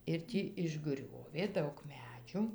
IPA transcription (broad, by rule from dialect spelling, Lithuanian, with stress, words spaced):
ɪr ˈtʲiː ɪʒˈɡrʲoːʋʲeː ˈdɐʊk ˈmʲæːd͡ʒʲʊ